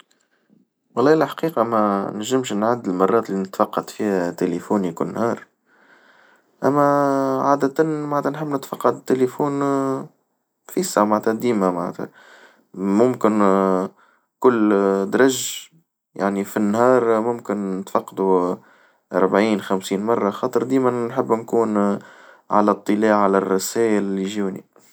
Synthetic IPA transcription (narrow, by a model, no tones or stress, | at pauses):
wɑlˤːɑːɪlħḁqiːqɑmænæʒːɪmʃnʕad̪ːɪlmɑrˤːɑːt̪lːinɪt̪fɑqːɑt̪fiːhæt̪elefuːnikʊnːhɑːɾˤ | ʔæmːæʕaːd̪æt̪ænmaʕnæt̪ænħɪmːnɪt̪fɑqːɑd̪t̪ːelefuːn | fiːsamaʕt̪hæd̪iːmamaʕnæ̰t̪æ̰ | mʊmkɪn | kʊlːd̪ɾˤɑʒ | ja̰ʕnifinːɦɑːɾˤmʊmkɪnnːɪt̪fɑqːd̪u | ʔɑ̰ɾˤbʕiːnxæmsiːnmɑrˤːɑxɑːt̪ˤəɾˤd̪iːmænnħɪbːnkuːn | ʕa̰læt̪ˤːɨlaːʕalærˤːɑsæːʔɪlɪliʒuːnḭ